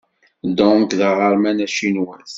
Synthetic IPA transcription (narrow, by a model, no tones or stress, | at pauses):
d̪ɔ̃kðəʁəɾˤmænæʃinwæθ